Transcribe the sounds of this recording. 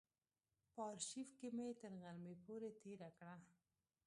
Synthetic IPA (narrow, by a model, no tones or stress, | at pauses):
pɑɾʃifkɪmet̪əɾɣalmepoɾet̪eɾakɽa